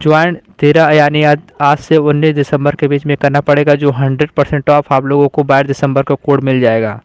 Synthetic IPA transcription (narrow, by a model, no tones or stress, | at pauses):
d͡ʒʊaːɪnt̪eːɾaɐjaːnijaːd̪aːd͡ʒseʊnːiːsd̪ɪsə̃mbəɾkebiːt͡ʃmẽkɐɾnapɐɽeːɡad͡ʒoːɦɐ̃ɳɖɾəɖ̚pɐɾsɛ̃ɳʈɔːfaːbloːɡõkobaːɦɪɾd̪ɪsə̃mbəɾkokoːɽmɪld͡ʒaːeːɡa̰ː